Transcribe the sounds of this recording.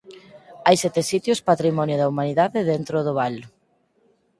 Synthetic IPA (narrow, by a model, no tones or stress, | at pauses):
ajsɛt̪esit̪jʊspat̪ɾimɔnjʊðaumaniðaðeðent̪ɾʊðʊβal